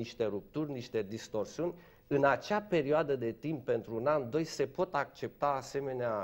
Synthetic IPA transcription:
iʃt̪e̞ɾup̚t̪urʲniʃt̪e̞d̪ist̪o̞rsiunʲ | ɨnat͡ʃape̞ɾioad̪əd̪e̞t̪impːe̞nt̪ɾuːnand̪o̞jse̞po̞t̪ak̚t͡ʃe̞p̚t̪aːse̞me̞nea

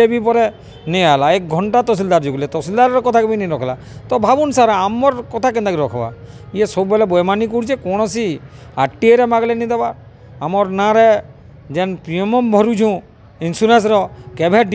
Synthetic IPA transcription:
ebʱipɔɾɛ | niaɦlaek̚ɡʱɔɳʈat̪ɔs̬ild̪aɾd͡ʒuɡlɛt̪ɔsild̪aɾɾɔkɔt̪ʰakɛbiniɾɔkʰla | t̪ɔbʱabunsaɾaamɔɾkɔt̪ʰak̬ɛnt̪akiɾɔkʰba̰ | iesɔbubɛlɛbɔjmanikuɽt͡ʃʰekɔɽ̃ɔsi | aʈieɾemaɡlɛnid̪ɛbaː | mɔɾnaɾe | d͡ʒɛnpɾiɔmɔmbʱɔɾud͡ʒʰʱũ | insuɾens̬ɾɔkebʱeɖ

